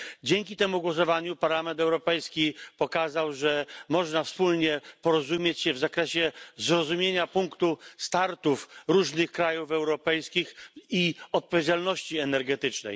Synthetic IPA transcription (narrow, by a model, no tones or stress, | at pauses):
d͡ʑɛŋkʲit̪ɛmuɡwɔs̬ɔvaɲupaɾlamɛnt̪ɛwɾɔpɛjskʲipɔkazawʐɛmɔʐnafspulɲɛpɔɾɔzumʲjet͡ɕɕɛvzakɾɛɕɛzɾɔzumʲjeɲapuŋkt̪ust̪aɾt̪ufɾuʐnɘxkɾajufɛwɾɔpɛjskʲixiɔt̪̚pɔvʲjed͡ʑalnɔɕt͡ɕiɛnɛɾɡɛt̪ɘt͡ʂnɛ̰j